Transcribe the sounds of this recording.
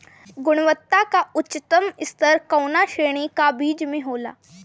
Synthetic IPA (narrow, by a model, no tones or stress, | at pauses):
ɡʊɽ̃ʋət̪ːakaʊtːt͡ʃːt̪əmɪst̪əɾkəwnaʃeːɽ̃ikabiːd͡ʒmẽɦoːla̰ː